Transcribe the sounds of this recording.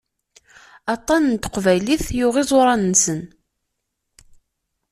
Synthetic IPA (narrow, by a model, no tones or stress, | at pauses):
ɑt̪ˤːɑnənt̪ə̥qvæjliθjʊʁizˤʊɾˤɑnənsən